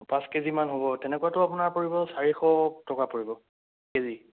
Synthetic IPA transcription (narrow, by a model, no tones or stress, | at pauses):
pãskezimanɦobɔtɛnɛkuwatʊapunaɹpoɹibɔsaɹixɔtɔkapoɹibɔ | kezi